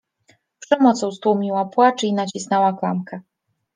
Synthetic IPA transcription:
pʂɛmɔt̪sɔ̃w̃st̪wumʲiwapwat͡ʂinat͡ɕisnɛwaklamkɛ

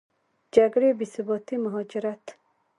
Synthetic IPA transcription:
d͡ʒaɡɾebisubɔt̪imʊɦɔd͡ʒiɾat̪

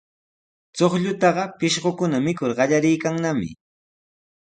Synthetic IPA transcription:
t͡soχʎʊt̪ɑɢɑpɪʃɢokʊnamɪkʊɾɢɑʎaɾɪjkaŋnamɪ̰

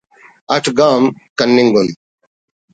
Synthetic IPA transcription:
ɐʈʰɡaːmkɐnːiŋɡun

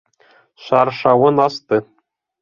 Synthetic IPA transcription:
ʃɑrʂɑwɤ̆nɑst̪ɤ

